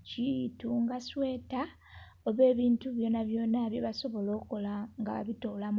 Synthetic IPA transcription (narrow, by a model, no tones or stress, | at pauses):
cituŋɡaswe̞ːta | oβe̞ːβiːntuβjo̞ːnaβjo̞ːnaβjiβaso̞βo̞lo̞ːko̞laŋɡaβa̰βito̞ːlam